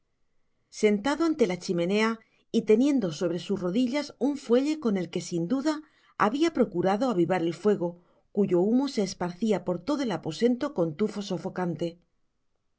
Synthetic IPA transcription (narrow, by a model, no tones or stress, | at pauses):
se̞nt̪aðoant̪e̞lat͡ʃimẽ̞ne̞a | it̪e̞nje̞nd̪o̞so̞β̞ɾe̞susro̞ðiʎasuɱfwe̞ʎe̞ko̞ne̞lke̞sind̪uða | aβiapɾo̞kuɾaðo̞aβiβaɾe̞lfwe̞ɣ̞o̞ | kuʝo̞umo̞se̞ːspaɾθiapo̞ɾt̪o̞ðo̞e̞lapo̞se̞nt̪o̞ko̞nt̪ufo̞so̞fo̞kant̪e̞